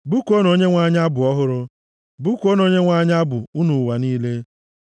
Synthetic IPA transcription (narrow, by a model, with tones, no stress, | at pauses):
bu˦ko˦no˨˦ɲe˦ŋʷa˦ɲ˦a˦bʊ˨ɔ˦ɦʊ˦ɾʊ˦ | bu˦ko˦no˨ɲe˦ŋʷa˦ɲ˦a˦bʊ˨u˦nu˨wa˨niː˦le˦